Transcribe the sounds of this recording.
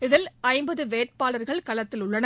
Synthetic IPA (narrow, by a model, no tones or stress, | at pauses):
ɪðɪlɐɪmbɐðɯʋeːʈ̚paːlɐɾɣɐɭkɐlɐt̪ːɪlʊɭːɐnɐ